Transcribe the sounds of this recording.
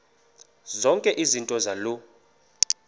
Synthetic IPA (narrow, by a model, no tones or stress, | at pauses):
zɔŋkʼɛʔizintʼɔzalu